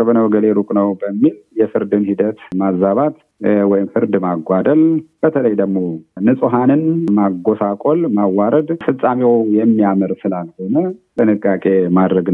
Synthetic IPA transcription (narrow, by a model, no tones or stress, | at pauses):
bənəwɡəleɾukʼnəwbəmːiljɛfɨɾd̪ɨnhid̪ət̪mazaβat̪ | wɔjɪmfɨɾd̪maɡʷad̪əlb̥ət̪ʰələjd̪əɡmo̞nɨsʼuɦanɨnmaɡosakʼolmawːaɾəd̪fɨt͡sʼːamewjɛmːiamɨɾsɨlalho̞nət̪ʰʼɨnɨkʼːakʼemad̪ɾəɡn